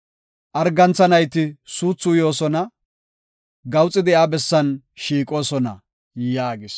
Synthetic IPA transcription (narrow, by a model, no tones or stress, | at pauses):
ʔɐɾɡɐnt͡sːɐnɐjt̪ɪsuːt͡sːʊjo̞ːsɔnɐ | ɡɐwt͡sʼːɪd̪ɪaːbɛsːɐn | ʃiːkʼo̞ːsɔnɐ̰ | jjaːɡɪs